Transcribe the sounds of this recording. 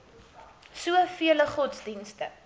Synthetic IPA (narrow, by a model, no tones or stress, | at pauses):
suəfiələχɔtsdinstə